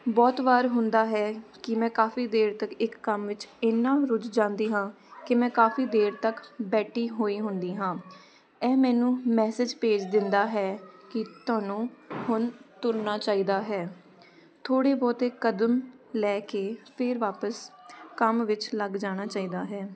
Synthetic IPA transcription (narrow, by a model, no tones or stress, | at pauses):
bɔːt̪ʋaːɾɦʊnd̪aːɦɛːkɪmɛ̃ːkaːfiːd̪eːɾt̪əkɪkːəmʋɪt͡ʃɪnːãːɾʊd͡ʒd͡ʒãːnd̪iːɦãː | kɪmɛ̃ːkaːfiːd̪eːɾt̪əkbɛːʈʰiːɦoːiːɦʊnd̪iːɦãː | ɛːmɛ̃ːnũːmɛːsɪd͡ʒpeːd͡ʒd̪ɪnd̪aːɦɛːkɪt̪ʊãːnũːhʊnt̪ʊɾnaːt͡ʃaːiːd̪aːɦɛː | t̪ʰoːɽeːbɔːt̪eːkəd̪əmlɛːkeːpʰɪɾʋaːpəskəmʋɪt͡ʃləɡd͡ʒaːɽ̃aːt͡ʃaːiːd̪aːɦɛː